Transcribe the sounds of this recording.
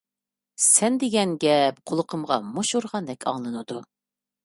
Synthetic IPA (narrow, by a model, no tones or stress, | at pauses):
sɛnd̪ɪɡʲɛnɡʲɛp̚qʰolˠəqʰəmʁɑ̰moʃoɾʁɑnd̪ɛkʲʰɑ̰ŋlˠɨnɨd̪u